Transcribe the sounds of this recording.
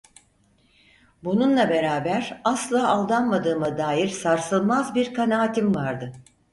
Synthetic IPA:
bununlˠabe̞ɾaːbæɾaslˠaːʔalˠd̪anmad̪ɯːmad̪aːjiɾsaɾsɯlˠmazbiɾkʰanaːt̪ʰimvaɾd̪ɯ

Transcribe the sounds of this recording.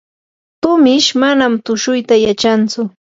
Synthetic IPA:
t̪ʊmɪʃmanamt̪ʊʃʊjt̪ajat͡ʃant͡sʊ

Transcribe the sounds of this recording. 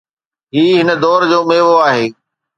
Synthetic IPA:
ɦiːɦɪnəd̪ɔːɾd͡ʑoːmeːʋoaːɦeː

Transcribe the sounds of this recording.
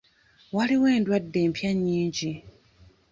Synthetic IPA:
waliweːndwadːeːmpʰjaɲiːɲd͡ʒi

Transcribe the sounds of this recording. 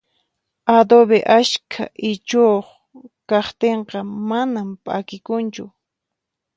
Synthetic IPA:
ad̪oβeʔaʃkʰa̰ʔɪt͡ʃoχ | kɑχt̪eɴqɑmanampʼa̰kɪkʊnt͡ʃʊ

